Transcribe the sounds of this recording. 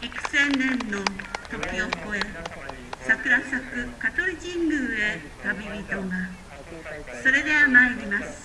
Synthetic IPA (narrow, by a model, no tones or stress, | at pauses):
ikɯ̟̥sẽnẽnːot̪o̞kʲiokoe | sakɯ̟ɾasakɯ̟kat̪oɾʲikĩŋɡɯ̟e | t̪abʲibʲit̪oɡa | so̞ɾe̞d̪e̞βanaiɾʲimasɨ̥